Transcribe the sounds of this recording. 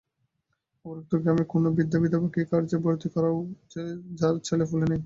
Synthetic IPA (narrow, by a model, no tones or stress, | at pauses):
oɾek̚t̪oɡɾamekonobid̪ːabit̪̬abakikaɾd͡ʑeboɾt̪ikɔɾaoed͡ʑaɾt͡ɕʰelefulenej